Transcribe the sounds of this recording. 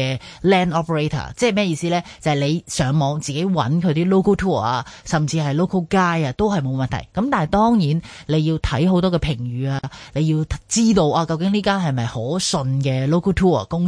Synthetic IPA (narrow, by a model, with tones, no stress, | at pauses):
ɛː˧lɛː˥nɔː˥pʰə˨ɹe˥t̪ʰa̰ː˨˩t͡sɛː˥hmɛː˥˩˨iː˧siː˥lɛː˥t͡sɐ˨hjle˨˧jsœː˨˧ŋmɔː˨˧ŋt͡siː˨ke˨˥jwɐ̰˨˥nkʰɵ˨˧ɥt̪iː˥lo˥wkʰə˥wt̪ʰuː˥ə˨˩aː˧sɐ˨mt͡siː˧hɐ˨jlo˥wkʰə˥wkaː˥jaː˧t̪o˥whɐ˨jmo˨˧wmɐ˨nt̪ʰɐ̰˨˩jkɐ˨˥mt̪aː˨nhɐ˨˩jt̪ɔː˥ŋjiː˨˥nle˨˧jiː˧wt̪ʰɐ˨˥jɦo˨˥wt̪ɔː˥kɛː˧pʰɪ˨˩ŋjyː˨˧aː˧le˨˧jiː˧wʰt͡siː˥t̪o˧wʔaː˧kɐ˧wkɪ˨˥ŋliː˥kaː˥nɦɐ˨jmɐ˨jho˨˥sɵ˧nkɛː˧lo˥wkʰə˥t̪ʰuː˥ɐ̰˨˩kʊ˥ŋ